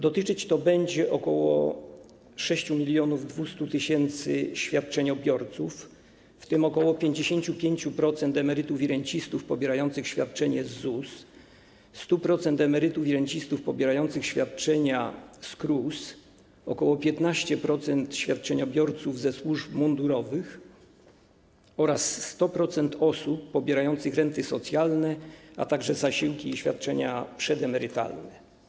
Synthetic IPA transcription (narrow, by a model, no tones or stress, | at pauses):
d̪ɔt̪ɘt͡ʂɘt͡ɕt̪ɔbɛɲd͡ʑɛʔɔkɔwɔ̰ | ʂɛɕt͡ɕumʲilʲjɔnuvd̪vust̪ut̪ɘɕɛnt̪sɘ̰ɕfʲjat̪̚t͡ʂɛɲɔbʲjɔɾt̪sufː | t̪ɘmɔkɔwɔpʲjeɲd͡ʑeɕeɲt͡ɕupʲjeɲt͡ɕupɾɔt̪sɛnt̪ɛmɛɾɘt̪ufiɾɛɲt͡ɕist̪ufpɔbʲjɛɾajɔnt̪sɘxɕfʲjat̪̚t͡ʂɛɲɛzːus | st̪upɾɔt̪sɛnt̪ɛmɛɾɘt̪ufʲiɾɛɲt͡ɕist̪ufpɔbʲjɛɾajɔnt̪sɘxɕfʲjat̪̚t͡ʂɛɲaskɾus | ɔkɔwɔpʲjɛt̪naɕt͡ɕɛpɾɔt̪sɛnt̪ɕfʲjat̪̚t͡ʂɛɲɔbʲjɔɾt̪suvzɛswuʐpmɔnd̪uɾɔvɘx | ɔɾasːt̪ɔpɾɔt̪sɛnt̪ʰɔsupːɔbʲjɛɾajɔnt̪sɘxɾɛnt̪ɘsɔt̪sʲjalnɛa̰t̪aɡʐɛzaɕiwkʲiːɕfʲja̰t̪̚t͡ʂɛɲapʂɛd̪ɛmɛɾɘt̪a̰lnɛ